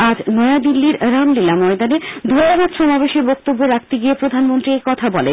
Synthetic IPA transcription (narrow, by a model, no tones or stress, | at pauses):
ad͡ʑnɔjad̪ilːiɾɾamlilamɔed̪aned̪ʱoɾabad̪ʃɔmabeʃeɾbɔk̚t̪obːoɾak̚t̪eɡiepɾod̪ʱanmont̪ɾiejkɔt̪ʰabɔle